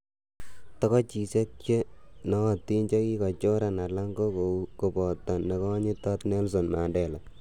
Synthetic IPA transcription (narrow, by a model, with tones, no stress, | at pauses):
tɔ˦kɔ˦t͡ʃi˨se˦t̚t͡ʃe˦nɔ˦˨tːi˦nt͡ʃɔ˦ki˦kɔ˨t͡ʃo˦ɾa˨na˨la˦ŋɡo˦ko˨u˦ko˨pɔ˨tːɔ˨nːe˨kɔ˦ɲi˦tɔ˦tnɛ˦ls̬o˨nma˨ndɛ˨la˨